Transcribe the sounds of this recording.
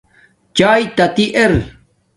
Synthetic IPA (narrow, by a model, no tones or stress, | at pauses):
t͡ɕaːjt̪ɐt̪iʔeɾ